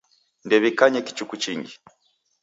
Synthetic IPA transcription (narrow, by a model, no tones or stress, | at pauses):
ndɛβikaɲɛki̥t͡ʃukut͡ʃiŋɡi